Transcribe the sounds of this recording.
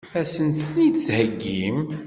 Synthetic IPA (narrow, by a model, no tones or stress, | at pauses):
fæsənt̪nit̪θhəɡːim